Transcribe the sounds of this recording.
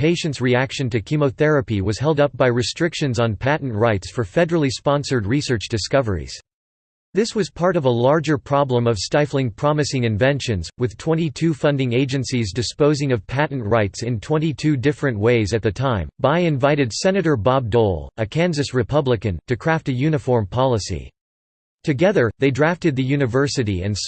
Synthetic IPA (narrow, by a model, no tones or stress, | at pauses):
pʰeɪʃɨ̃ntsɹiækʃɨ̃ntɨkʰimoʊθɛɹɨpiwʌz̥ɦɛlˠdʌp̚b̥aɪɹɨstɹ̥ɪkʃɨ̃nzn̩pʰæʔn̩ʔɹaɪtsfə˞fɛɾə˞l̩ˠispɑ̃nsə˞d̚ɹisɜ˞t͡ʃd̥ɨskʌvə̰˞ḭz̥ | ðɪswʌz̥pʰɑɹɾʌvəlɑɹd͡ʒə˞pʰɹ̥ɑblə̃mʌv̥staɪflˠɪ̃ŋpʰɹ̥ɑmɨsɪ̃ŋɨ̃ɱvɛ̃nʃɨ̃nzwɨð̥tʰw̥ɛ̃ñitʰʉfʌ̃ndɪ̃ŋeɪd͡ʒɨ̃nsizdɨspoʊzɪ̃ŋʌv̥pʰæʔn̩ʔɹaɪtsɨ̃ntʰw̥ɛ̃ñitʰʉdɪfɹɨ̃nʔweɪzɨt̪̚ðɨtʰãɪ̃mbaɪɨ̃ɱvaɪɾɨdsɛnɨɾə˞bɑb̚dɔlˠɨkʰæ̃nzɨsɹɨpʰʌbləkɨ̃ntɨkʰɹ̥æftɨjʉnɨfɔɹmpʰɑlˠəsḭ | tʰɨɡɛðə˞ðeɪdɹæftɨd̪̚ðɨjʉnɨvɜ˞sɨɾiɨ̰̃ns